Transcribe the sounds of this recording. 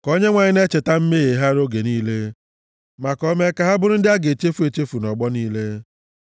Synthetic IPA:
ko˦ɲe˦ŋʷa˨ɲɪ˦ne˦t͡ʃe˨ta˦m̩˦me˦ɣe˨ɦa˦ɾo˦ɡe˨niː˦le˦ | ma˨kɔ˦me˦ka˨ɦa˦bʊ˦ɾʊ˦n̩˦dɪ˦a˦ɡe˨t͡ʃe˦fu˨˦e˨t͡ʃe˦fu˨nɔ˨ɡ͡bɔ˦niː˦le˦

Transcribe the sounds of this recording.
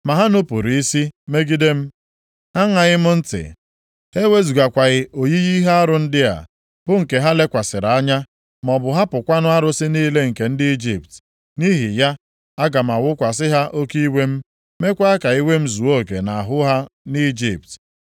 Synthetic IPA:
ma˨ɦa˦nʊ˦pu˨ɾi˨i˦si˦me˦ɡi˦de˦m̩˦ | a˦ŋa˨ɣɪ˦mʊ˦n̩˦tɪ̰˨ | he˦we˦zu˨ɡa˨kʷa˨ɣɪ˨o˨ji˦ɣi˦ɦa˦a˦ɾʊ˨n̩˦dɪ˦a̰˨ | b̥ʊ˦ŋ̩˨ke˨ɦa˦le˦kʷa˨sɪ˨ɾa˨a˦ɲa˦ | m˨ɔ˨bʊ˨ɦa˦pʊ˨kʷa˦nʊ˦a˦ɾʊ˦sɪ˦niː˦le˦ŋ̩˨ke˨n̩˦dɪ˦i˦d͡ʒḭ˨p̚t | ni˦ɦi˨ja˦ | a˦ɡa˨m˨a˨wʊ˦kʷa˨s̬ɪ˦ɦa˦ʔo˦ki˦we˦m̩˦ | me˦kʷa˦a˦ka˨i˦we˦m̩˦zu˨o˦˨kḛ˨na˨a˨ɦʊ˦ɦa˦ni˦d͡ʒḭ˨p̚t

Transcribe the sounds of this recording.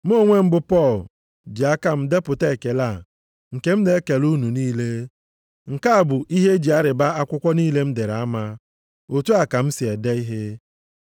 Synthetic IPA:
m˦o˦˨ŋʷe˦m̩˦bʊ˦pɔ˦˨l | d͡ʒi˨a˦ka˦m̩˦de˦pʊ˨te˦˨ke˨la˦˨ | ŋ̩˨ke˦m̩˦ne˦ke˨lu˦nu˨niː˦le˦ | ŋ̩˨ka˦a˨bʊ˨ʔi˦ɦe˦d͡ʒi˨a˦ɾɪ˨ba˦a˦kʷʊ˦kʷɔ˦niː˦le˦m̩˦de˨ɾa˨a˦ma˦ | o˨tu˦a˨ka˨m̩˦sɪ˨e˨de˦i˦ɦe˦

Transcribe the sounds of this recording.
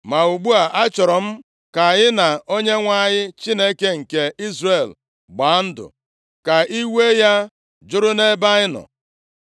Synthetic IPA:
ma˨u˨ɡ͡bu˦a˨ʔa˦t͡ʃɔ˨ɾɔ˨m̩˦ | ka˨ɲɪ˦na˨o˦ɲe˦ŋʷa˦˨ɲɪ˦t͡ʃi˦ne˦ke˦ŋ̩˨ke˦i˦zre˨l | ɡ͡ba˨˦n̩˦dʊ̰˨ | ka˨i˦we˦ja˦ | d͡ʒʊ˦ɾʊ˦ne˦ba˦ɪ˦nɔ̰˨

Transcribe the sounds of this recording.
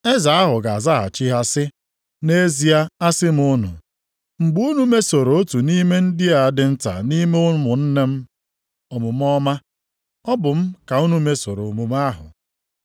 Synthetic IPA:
e˦za˨a˦ɦʊ˨ɡa˨a˨za˦a̰˨t͡ʃi˦ɦa˦sɪ˦ | ne˦zi˨a˦a˦sɪ˦m̩˦ʊ˦nʊ̰˨ | ŋ͡m̩˨ɡ͡bu˦u˦nu˦me˦so˨ɾo˨o˦tu˨ni˦me˦n̩˦dɪ˦a˨a˨dɪ˦n̩˦ta̰˨ni˦me˦ʊ˦n˦mʊ˨n̩˦ne˦m̩˦ | ɔ˨mʊ˨m˦ɔ˦ma˦ | ɔ˦bʊ˨m̩˦ka˨u˦nu˦me˦so˨ɾo˨o˨mu˨m˦a˦ɦʊ̰˨

